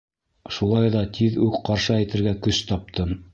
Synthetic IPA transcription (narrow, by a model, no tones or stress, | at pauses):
ʃulˠɑjðɑt̪ʰiðʉkqɑɾʃɤæjt̪ɘ̆ɾɡækɵst̪ɑp̚t̪ʰɤm